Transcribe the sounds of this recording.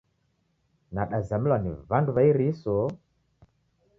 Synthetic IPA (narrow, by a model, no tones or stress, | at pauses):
naɗazamilwanivanduvaiɾiso